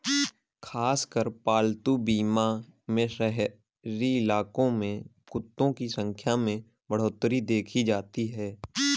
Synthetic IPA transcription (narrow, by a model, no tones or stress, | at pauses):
kʰaːskəɾpaːlt̪ubiːmamẽʃəɦ | ɾiɪlaːkõmẽ | kʊt̪ːõkisə̃ŋkʰjamẽ | bəɽ̤oːt̪ɾid̪eːkʰid͡ʒaːt̪iɦɛː